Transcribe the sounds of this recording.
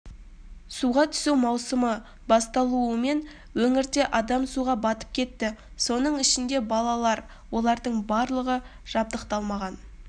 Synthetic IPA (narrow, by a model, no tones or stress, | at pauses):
suʁɑt̪ʰʏ̥suwmɑwsəmə | bɑst̪ɑlˠuəme̞n | wɵŋɪɾd̪e̞ʔɑd̪ɑmsuʁɑbɑt̪ə̥p̚kʲʰe̞t̪ːɪ | so̞nəɴɪʃɪnd̪e̞bɑlˠɑlˠɑɾ | wo̞lˠɑɾd̪əɴbɑɾlˠəʁə | ʒ̥ɑb̚d̪əqt̪ɑlˠmɑʁɑn